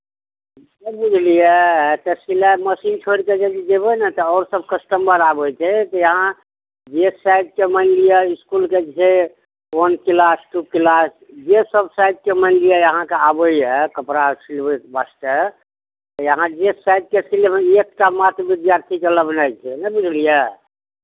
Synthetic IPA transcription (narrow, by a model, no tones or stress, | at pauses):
d͡ʒebud͡ʒʱlijɛt̪əsilaməsint͡ʃʰoɽked͡ʒəd̪id̪ebənɛt̪ɔɔːɾsəbkəsʈəmbəɾabəjt͡ʃɛt̪ɔjəɦã | d͡ʒesajd̪̚kemənlijaiskulked͡ʒt͡ʃʰe | onkilasʈukilas | d͡ʒesəbsajd̪̚keməɪnɖijajəɦãkeabəiɛkəpɾasilbbasʈə | t̪ɔjəɦãd͡ʒesajd̪̚kesilbekkamat̪ɾbid̪jaɾt̪ʰikeləbʱnajt͡ʃʰɛnɛbid͡ʒlijə